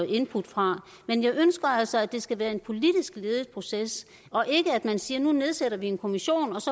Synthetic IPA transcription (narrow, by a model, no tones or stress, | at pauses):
e̝npʰud̥fʁɑ̈ | menjɑ̈ɪʔønsɡ̥ɐæl̰sɒ̽æd̥e̝sɡ̥æʋæːɐe̝npʰo̝lid̥isɡ̥le̝ːðˠð̩ˠpʰʁo̝ses | ɒ̽ʔe̝ɡ̥əæd̥mænsiːɐnune̝ð̞ˠseɾ̥ɐʋie̝nkʰo̝miɕo̝̰ːnɒ̽sɒ̽